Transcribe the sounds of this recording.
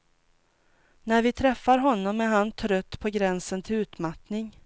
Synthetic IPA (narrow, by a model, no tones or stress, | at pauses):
næɾvɪt̪ʰɾɛfːaɾɦɔnːɔmːɛɦant̪ʰɾœt̪ːpʰɔɡɾɛnsənt̪ʰɪlʉ̟ːt̪mat̪nɪŋ